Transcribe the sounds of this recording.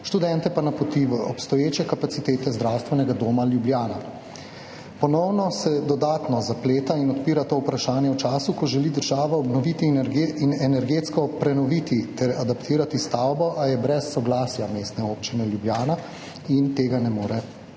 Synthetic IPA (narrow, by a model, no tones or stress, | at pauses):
ʃt̪ud̪ɛnt̪ɛpanapɔt̪iʋəʔɔpst̪ɔjeːt͡ʃɛkapasit̪eːt̪ɛzd̪ɾawst̪ʋɛnɛɡad̪oːmaljubljaːna | pɔnɔwnɔsɛd̪ɔd̪aːt̪nɔzapleːt̪ainɔt̪piːɾat̪oːupɾaʃaːnjɛwt͡ʃaːsukɔʒɛlid̪əɾʒaːʋaɔbnɔʋit̪iɾɡinɛnɛɾɡeːt̪skɔpɾɛnɔʋit̪it̪ɛɾad̪apt̪iːɾat̪ist̪awbɔʔajɛbɾɛsːɔɡlaːsjameːst̪nɛoːpt͡ʃinɛljubljaːna | int̪eːɡanɛmoːɾɛ